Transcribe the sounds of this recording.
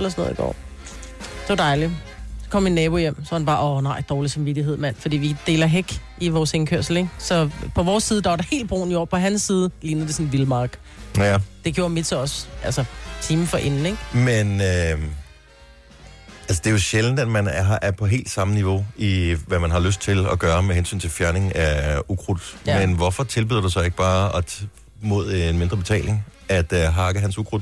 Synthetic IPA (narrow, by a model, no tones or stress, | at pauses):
elɐsɔnɔ̰ð̰ˠiɡ̥ɒ̰ː | d̥e̝ʋɑ̈d̥ɑ̈ɪli | sɒ̥kʰɒ̽m̰inːɛːb̥o̝jem̰sɒ̽hænb̥ɑ̈ːʔɒnɑ̈ɪ̰d̥ɒːlisɑ̈mʋid̥iɦe̝ð̞̰ˠmæn̰fɒ̽d̥ḭːʋid̥e̝̰ːlɐɦeɡ̥ʔiʋɒːseŋkʰøɐ̰sl̩eɡ̥sɒ̽pʰɒ̽ʋɒːsːiːðˠəd̥ɑʋɑɾ̥ɑhe̝̰ːld̥̚b̥ʁo̰ːnijɒpʰɒ̽ɦænsːiːð̞ˠəliːnð̩ˠde̝sɔ̽nʋilmɑːɡ̥ | jæd̥e̝ɡ̥jo̝ːɐmid̥seɒ̽sʔælsɐt͡sʰiːməfɒ̽ʔe̝nn̩eɡ̥menø | ælsəd̥e̝jo̝ɕeln̩d̥æd̥mænɦɑʔæɐpʰɒ̽ɦe̝̰ːld̥sɑ̈məniʋo̝iʋæmænɦɑ̈løsd̥̚t͡sʰe̝lɒɡ̥ɶːɐmeɦensy̰ːn̩t͡sʰe̝lfjæɐne̝ŋæukʰʁud̥menʋɒfɒ̽t͡sʰelb̥y̰ðˠɐd̥usɒ̽e̝ɡ̥̚b̥ɑ̈ːɒ̽ | mo̝ð̞̰ˠenme̝nd̥ʁɐb̥e̝t͡sʰɛ̰ːle̝ŋæd̥ɦɑ̈ɡ̥əɦænsukʰʁud̥